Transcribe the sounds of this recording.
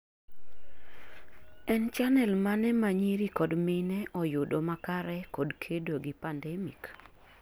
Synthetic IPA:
ɛnt͡ʃanɛlmanɛmaɲiɾikɔdmɪnɛʔɔjʊdomakaɾɛkɔdkʰedoɡipandɛmḭk

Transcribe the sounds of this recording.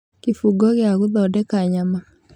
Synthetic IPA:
kifuɡɔɣjaɣuðɔdɛkaɲama

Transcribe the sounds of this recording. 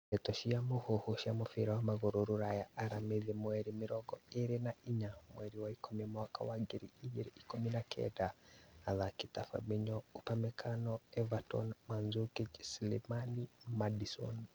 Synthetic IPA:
ɛtɔʃiamuhohuʃiamɔfiɾawamaɣoɾuɾuɾajaaɾamiðimwɛɾimiɾɔɡɔeɾinaiɲamwɛɾiwaikʰɔmɛmaka̰waɡiɾiiɡiɾiʔikominakʰɛ̰daaðakitafa̰biɲɔupamɛkʰanɔɛvatɔ̰nmanzukid͡ʒsilḭmanimadisɔ̰n

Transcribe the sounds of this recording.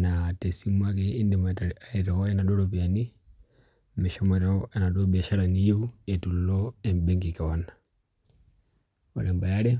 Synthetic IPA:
natɛsimwakɛindɛmaɛɾɔɔɛnaɗɔɾɔpiani | mɛʃamɛɾanaɗɔbiaʃaɾanijeuɛtullɔɛmbɛŋɡikawana | ɔ̰ɾɛmbajaɾɛ

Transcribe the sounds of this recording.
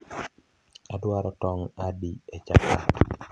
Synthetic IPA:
adwaɾɔtɔŋadiet͡ʃa̰ka̰t

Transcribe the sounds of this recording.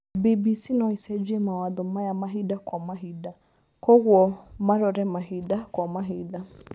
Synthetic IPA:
bibisinɔisɛd͡ʒiɛmawaðʊmajamaɦidakwamaɦida | kɔɣwɔmaɾɔɾɛmaɦidakwamaɦida

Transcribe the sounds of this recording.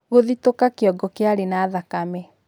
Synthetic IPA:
ɣoðitokakeɔɡɔkeaɾenaðakamɛ

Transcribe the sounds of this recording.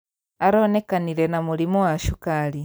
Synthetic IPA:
aɾonekaniɾenamulimowaʃukali

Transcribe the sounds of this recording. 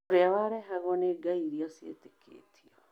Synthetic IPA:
oɾeawaɾɛɦaɣɔneɡaiɾiasiḛtekʰḛːtʰiɔ

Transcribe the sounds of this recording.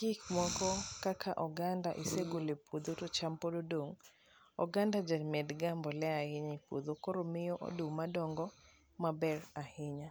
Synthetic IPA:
kikmɔkɔkakʰaʔɔɡandaʔiseɡolepud̪otot͡ʃampododoŋ | ɔ̰ɡandad͡ʒalmɛdɡambɔlɛahɪɲipṵd̪okoɾomɪjɔʔo̰dumadɔŋɡɔ | mabɛrahɪɲa

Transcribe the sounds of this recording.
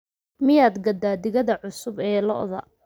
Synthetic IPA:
mɪjaːd̪ɡɐd̪aːd̪ɪɣɐðɐʕʊsʊbɛːlɔ̰ʔðɐ̰

